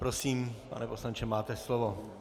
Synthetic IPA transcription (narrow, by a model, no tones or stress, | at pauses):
pɾosiːmpa̰nɛpo̞slaɲt͡ʃɛmaːt̪ɛslovo